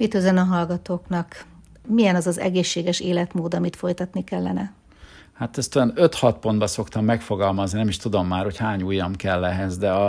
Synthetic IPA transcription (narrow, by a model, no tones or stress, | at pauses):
mit̪øzønɒɦɒlɡɒt̪oːknɒk | mijɛnɒzɒzɛ̰ɡeːʃːeːɡɛʃeːlɛt̪moːd̪ɒmit̪fo̞jt̪ɒt̪nikɛlːɛnɛ | hat̪ɛst̪yɛnøt̪hɒt̪po̞nd̪bɒso̞kt̪ɒmːɛkfo̞ɡɒlmɒzninɛmiʃt̪ud̪o̞mːaːrho̞chaːɲuːjːɒmkɛlːɛɦɛzd̪ɛɒ